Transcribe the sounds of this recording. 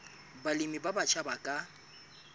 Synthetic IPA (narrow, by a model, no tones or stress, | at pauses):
balimibabat͡ʃʰʼabakʼa